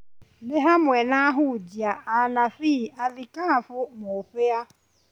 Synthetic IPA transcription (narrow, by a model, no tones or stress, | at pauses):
neɦamwenaɦʊd͡ʒiaʔanasialɪkaafʊmʊfeja